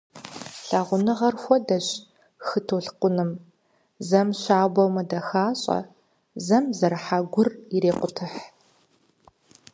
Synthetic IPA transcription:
ɬaːʁʷʊnɨʁɐrxʷɔdɐɕ | xɨtʰoːɬqʷʊnɨm | zɐmɕaːbɐwmɐdɐxaːɕʼɐ̰ | zɐmzɐɾħaɡʷʊriɾeːqʷʊtʰɨħ

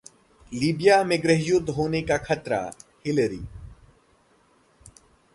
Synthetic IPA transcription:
liːbɪjaːmẽɡɾəɦjʊd̪ʱɦoːnekakʰət̪ɾa̰hɪlɾḭː

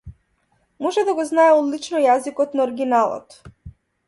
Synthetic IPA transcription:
mɔʒɛd̪aɡɔznaɛɔd̪lit͡ʃnɔjazikɔt̪naɔɾɡʲinalˠɔ̰t̪

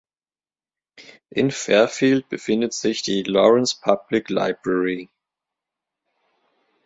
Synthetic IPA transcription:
ʔɪnfɛɐfiːlt̚b̥əfɪndətz̥ɪçd̥iːlɔʁɛnspʰablɪkla̰ɪb̥ʁɛʁi

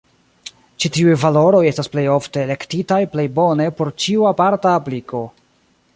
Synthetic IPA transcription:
t͡ʃitiujvalo̞ɾo̞je̞stasple̞jo̞fte̞ːle̞ktitajple̞jbo̞ne̞po̞ɾt͡ʃiuapaɾtaːpliko̞

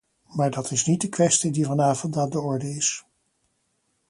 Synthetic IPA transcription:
maːɹdɑtʰɪsnit̚dəkʋɛstidivɑnaːvɔntadəɔɹdəɪs

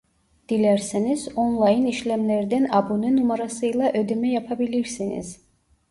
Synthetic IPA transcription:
d̪̥ilɛɾsinizɔnlˠajiniʃlɛmlɛɾd̪ɛnabunɨnumaɾasɯjlˠaʔød̪imɛjapʰabiliɾsinḭz̥

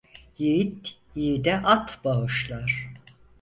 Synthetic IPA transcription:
jeit̪jid̪ɛʔat̪baɯʃlˠaɾ̥

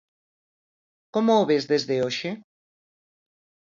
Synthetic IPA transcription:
komoːβezðezðeoʃe

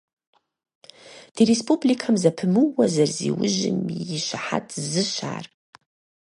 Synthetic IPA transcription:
d̥iɾespublikʰamzapʰɨmɨwazarzḭwʊʒɪ̰miʃʷaħa̰tʰzɨʃa̰ːr

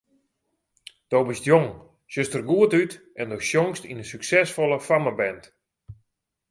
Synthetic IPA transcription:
d̥owbɪstjoŋ | søstərɡuətyt | ɛndowsjoŋstinəsyksɛsfolˠəfaməbɛnt

